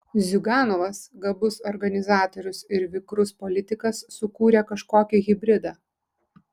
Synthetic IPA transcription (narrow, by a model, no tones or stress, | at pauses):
zʲʊɡɑːnɔʋɐsɡɐbʊsɔɾɡɐnʲɪzɑːt̪ɔɾʲʊsɪɾʋʲɪkɾʊspɔlʲɪt̪ʲɪkɐsːʊkuːɾʲekɐʃkoːkʲɛɣʲɪbʲɾʲɪd̪ɑː